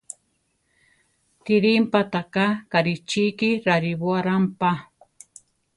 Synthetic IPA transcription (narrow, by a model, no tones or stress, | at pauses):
t̪ɪɾimpat̪akakaɾit͡ʃikiɾaɾibwaɾampa